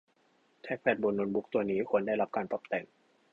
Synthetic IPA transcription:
t̪ʰɛː˦˥˩k̚pʰɛː˧˩t̪̚bo˧nːo˧nbu˦˥k̚t̪u˧ɐniː˦˥kʰu˧˥ənda˥˩jla˦˥p̚kaː˧npɔ˨˩p̚t̪ɛː˨˩ŋ

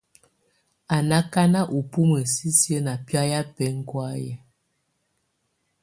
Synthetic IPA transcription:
a˨na˦ka˦na˦ʔu˨pu˦mə˨si˦sjə˦na˨pja˦ja˦pɛ˦ŋ̩˦kwa˦jɛ˨

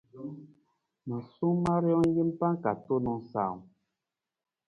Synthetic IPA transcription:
ma˨su˦ŋma˦ɾjɔ˦ŋ˦ɡi˦m˦pa˦ŋ˦ka˨to˦nɔ˨ŋsa̰ː˨ŋ

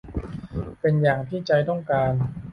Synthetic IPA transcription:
pe˧njaː˨˩ŋt̪ʰiː˥˩t͡ɕa˧jt̪ɔ˥˩ŋkaː˧n

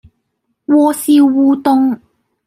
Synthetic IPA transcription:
wɔː˧siː˧wuː˧t̪ʊ˧ŋ

